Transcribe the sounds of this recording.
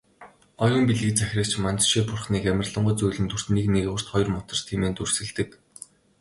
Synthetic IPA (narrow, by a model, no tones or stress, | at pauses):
ɔjɞ̆mpiɮɣɘ̆t͡sæxʲrʲə̆kt͡ɕmant͡sʃeːpʊrχniːkæmʲə̆rɮə̆ɴɢʊːt͡sujɮɘ̆nt̪ʰur̥t̪niːkneɣʊ̆r̥t̪χɔj̆rmʊt̪ə̆r̥t̪ʰiːmeːnt̪ursɘ̆ɮt̪ɘ̆k